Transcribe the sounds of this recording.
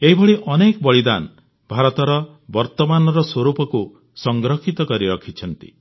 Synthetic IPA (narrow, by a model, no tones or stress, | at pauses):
eɦibʱɔɭiʔɔnekɔbɔɭid̪a̰n | bʱaɾɔt̪ɔɾɔ | bɔɾt̪ɔmanɔɾɔswoɾupɔku | sɔŋɡɾɔkʰit̪ɔkɔɾiɾɔkʰit͡ʃʰɔnt̪ḭ